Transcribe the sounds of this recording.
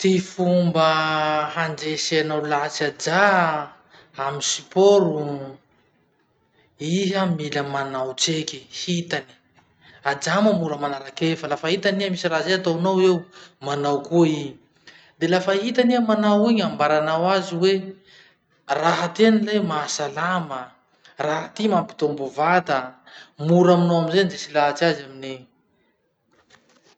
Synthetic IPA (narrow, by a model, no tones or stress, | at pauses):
t̪ifumbəhand͡ʒeseanawlat͡sad͡ʒa | amisi̥poɾu | iɦamiləmanawt͡sekihit̪ani̥ | ad͡ʒamamuɾəmanaɾakefəlafəɦit̪aniamisiɾazeat̪onowewmanawkui | d̪elafəɦit̪aniamanawiɲambaɾanawaziwe | raɦat̪enilejmaːsalamə | raɦat̪imampi̥t̪ombovat̪ə | muɾaminoaminzenzesilaat͡siazamine